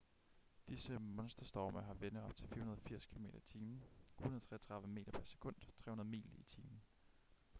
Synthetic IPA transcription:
d̥isəmɔ̽nsd̥ɐsd̥ɒ̰mɐɦɑ̈ʋenəð̩ɒ̽b̥̚t͡sʰe̝lfḭːɐhunɐð̞̩ˠɒfiɐ̰skʰilo̝me̝ːd̥ɐit͡sʰiːm̩u̥nɐðˠt͡sʰʁɛ̰ːɐt͡sʰʁɑ̈ðˠʋəme̝̰ːd̥ɐpʰæɐse̥kʰɔ̽n̰d̥t͡sʰʁɛ̰ːunɐðˠmḭːlit͡sʰiːmn̩

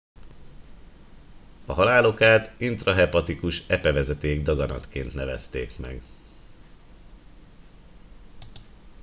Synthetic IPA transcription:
ɒɦɒlaːlo̞kaːt̪int̪rɒɦɛpɒt̪ikuʃɛpɛvɛzɛt̪eːɡ̚d̪ɒɡɒnɒ̰t̪keːnt̪nɛvɛ̰st̪eːkmɛ̰ɡ

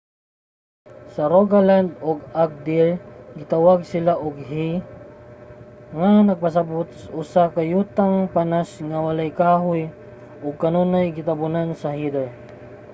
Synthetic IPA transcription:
sɐɾoɡaland̪oɡak̚d̪ɪɹɡɪt̪awaɡ̚sɪlaʔoɡɦi | ŋanɐɡ̚pɐs̬ɐbʊt̪̚saʔʊsakɐjuːt̪aŋpanasŋɐwɐlajkaːɦʊj | ʔoɡ̚kɐnonajɡɪt̪ɐbʊnansɐhid̪ɛɹ

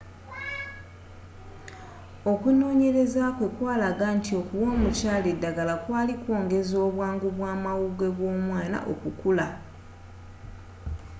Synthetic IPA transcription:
o̞kuno̞ːɲe̞ɾe̞zakwe̞kwaːlaɡantio̞kuwo̞ːmucaːle̞dːaɡalakwaːlikwo̞ːŋɡe̞zo̞ːβwaːŋɡuβwaːmawuɡwe̞βwo̞ːmwaːna̰ʔo̰kukula

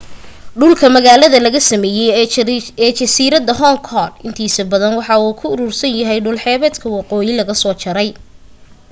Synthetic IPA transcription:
ɖʊlkʰɐmɐɣaːlɐðɐlɐɣɐsɐmɛːjɛjɛːt͡ʃɐsiːɾɐd̪ɐɦɔŋkʰɔlɪnt̪ʰiːsɐbɐðɐnwɑħɑuːkʰʊʊɾuːrsɐnjɐɦɛjɖʊlħɛːβɛːd̪kʰɐwɑqɔːjɪlɐɣɐsɔːt͡ʃɐɾɛj

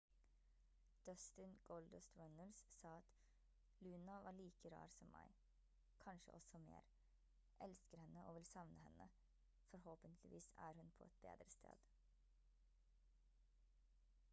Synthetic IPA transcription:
d̪̥ɔst̪ənɡ̥ɔld̪ɔst̪ɹɔnəlssɑːɑt̪ | lʉːnɑʋɑːɾɭiːkəɾɑ̰ːɾsɔmːæ̰ɪ | kʰɑnʃə̰ʔɔsɔmḛːɾ | ʔɛlskəɾhɛnːəʔoːʋɪlsɑʋnəhɛnːə | fɔɾhoːpənt̪ʰlɪʋiːsæ̰ːɾhʉnpʰɔ̰ɛt̪̚bḛːd̪ɾəst̪ʰḛːd̪̥

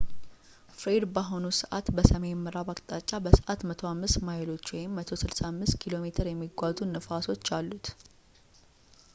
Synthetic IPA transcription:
fɾed̪baɦo̞nusəʔat̪bəsəmemːɨɾaβakʼt̪ʼat͡ʃʼːabəsəʔat̪mət̪ʰo̞amːɨst̪majɪlo̞t͡ʃːwɔjɪmːət̪ʰo̞sɨlsamːɨst̪kʰilo̞me̞t̪ʰəɾjɛmːiɡʷazunəfaso̞t͡ʃːalːut̪

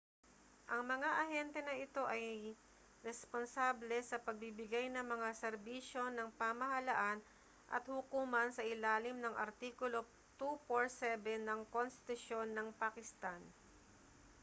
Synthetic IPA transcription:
ʔɐŋmɐŋaʔɐhɛnt̪ɛnɐʔɪt̪o̞ʔɐj | ɾɛsponsaːblɛsɐpɐɡ̚bibɪɡajnɐŋmɐŋasɛɾbiːʃjo̞nɐŋpamɐɦɐlaʔan | ʔɐ̰t̪hʊkuːmɐnsɐʔɪlaːlɪmnɐŋʔɐ̰ɾt̪iːkʊlo̞ | t̪upoɹsɛbɛnɐŋkonst̪ɪ̥t̪ʊʃjo̞nːɐŋpakɪst̪an

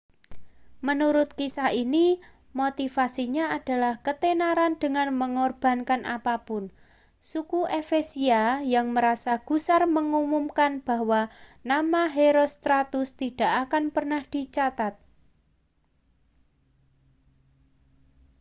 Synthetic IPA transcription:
mənuɾʊt̪̚kisahini | mot̪ifasiɲaad̥a̤lahkət̪enaɾand̥əŋanməŋɔrb̥a̤nkanʔa̰papʊn | sukuʔefesiajaŋməɾasaɡ̥ṳsarməŋumumkanb̥a̤ɦwanamaɦeɾost̪ɾat̪ʊst̪iɖ̥a̤ʔakanpərnahd̪̥i̤t͡ʃat̪at̪̚

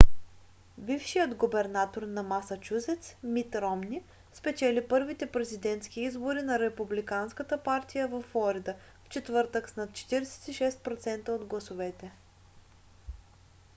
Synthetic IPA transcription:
bifʃijəd̪ɡobɛɾnat̪oɾnɐmasɐt͡ʃuzɛt̪smit̪ɾɔmni | spɛt͡ʃɛlipɤɾvit̪ɛpɾɛzid̪ɛnt̪sk̟iizboɾinɐɾɛpublikanskət̪əpaɾt̪ijəvɐfːlˠɔɾid̪ə | ft͡ʃɛt̪vɤɾt̪əksnat̪t͡ʃɛ̥t̪iɾɛsɛ̥t̪iʃɛst̪̚pɾot̪sɛnt̪əod̪ɡlˠɐsʊvɛt̪ɛ

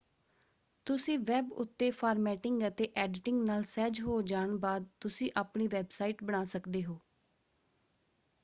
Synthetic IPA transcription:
t̪ʊsĩːʋɛːbʊ̰t̪ːeːpʰaːɾmɛːʈɪŋɡət̪eːʔɛːɖʈɪŋɡnaːlsɛːd͡ʒɦoːd͡ʒaːɳbaːd̪̚t̪ʊsĩːʔaːpɳiːʋɛːbsaːiːʈbəɽ̃aːsəkd̪eːɦoː

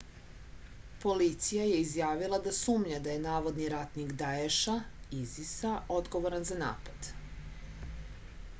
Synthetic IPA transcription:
po̞lit̪sijaje̞izjaːʋilˠad̪asuːmɲad̪aje̞naːʋo̞d̪niɾat̪niɡd̪aeʃaizisaʔo̞d̪ɡo̞ʋoɾanzana̰ːpad̪̥

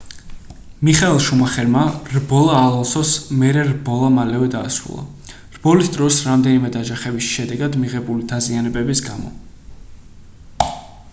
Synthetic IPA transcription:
miχaɛlˠʃumaχɛɾmaɾbɔlˠaːlˠalˠsɔsmɛɾɛɾbɔlˠamalɛvɛd̪aːsɾṵlˠa̰ | ɾbɔlisd̪ɾɔsɾamd̪ɛnimɛd̪ad͡ʒaχɛbisʃɛd̪ɛɡad̪miʁɛbulid̪azianɛbɛbisɡamɔ̰

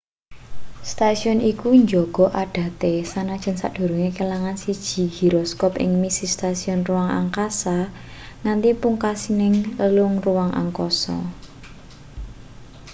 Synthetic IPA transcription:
st̪asiɔnikuɲd͡ʒɔɡ̥ɔ̤ʔaɖ̥ä̤t̪esanad̥ʒ̥ə̤nsa̰d̥o̤ɾuŋekəlaŋansid̥ʒ̥i̤ɡ̥i̤ɾɔskɔpɪ̰ŋmisist̪asiɔnruwaŋa̰ŋkasa | ŋant̪ipuŋkasinɪŋləlʊŋruwaŋʔa̰ŋkɔsɔ̰

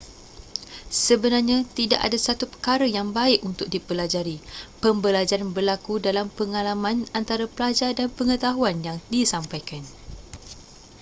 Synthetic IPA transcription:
səbənarɲãt̪idaʔa̰dasat̪upə̥kaɾajaŋbaɪʔunt̪ʊk̚dipəlad͡ʒaɾipəmbəlad͡ʒaɾanbərlakudalampəŋalamãnant̪aɾapəlad͡ʒadanpəŋət̪aɦuanjaŋdisampajkan

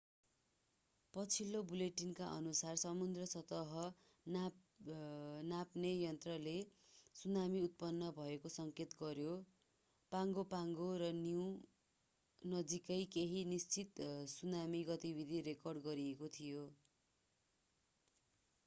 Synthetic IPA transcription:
pʌt͡sʰilːobuleʈinkaʔʌ̰nusarsʌmund̪rʌsʌt̪ʌɦʌ | n | napnejʌnt̪rʌlesunamiut̪̚pʌnːʌbʱʌekosʌŋket̪ɡʌɾjo | paŋɡopaŋɡoɾʌni | nʌd͡zikʌjkeɦinist͡sit̪sunamiɡʌt̪ibid̪ʱiɾekʌrɖɡʌɾiekot̪ʰijo

